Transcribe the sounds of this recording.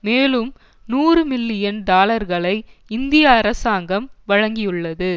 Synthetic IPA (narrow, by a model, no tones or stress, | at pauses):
meːlɯm | nuːrɯmɪlːɪjɐnɖaːlɐɾɣɐɭɐɪɪnd̪ɪjɐɐɾɐsaːŋɡɐmʋɐɻɐŋɡɪjɯɭːɐðɯ